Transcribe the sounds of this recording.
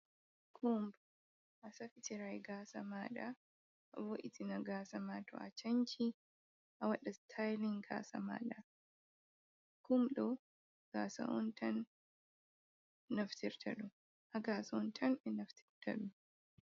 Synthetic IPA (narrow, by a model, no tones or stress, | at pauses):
kʰumb | ʔɐsɐfɪt̪ɪɾajɡaːsɐmaːᶑɐ | ɐbɔʔɪt̪ɪnɐɡaːsɐmaːt̪ʊʔɐ̰t͡ʃːɐnt͡ʃi | hɐwɐᶑɐst̪ʰajlɪŋɡa̰ːsɐ̰ma̰ːᶑɐ | kʊmᶑɔ | ɡ̥aːsɐ̰ʔɔ̰nt̪ʰɐn | nɐft̪ɪɾt̪ʰɐᶑʊ | hɐɡaːsont̪ʰɐnɪnɐft̪ʰɪ̥ɾt̪ɐ̰ᶑʊ